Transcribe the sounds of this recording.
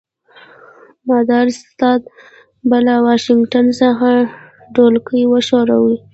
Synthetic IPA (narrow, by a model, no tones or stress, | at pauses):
mad̪ɑɾɪst̪ɑd̪̚ | balawɑʃɪŋɡʈansəxa | ɖolkəjwəʃoɾa̰wi